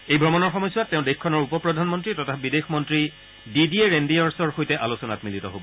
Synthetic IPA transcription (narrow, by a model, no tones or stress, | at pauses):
ejbʱɹɔmɔnɔɹxɔmɔjsuatːɛʊ̃dexkʰɔnɔɹupɔpɹɔdʱanmɔntɹitɔtʰabidexmɔntɹi | didieɹendiaɹsɔɹxojtɛʔalosɔna̰tmilitɔ̰ɦobɔ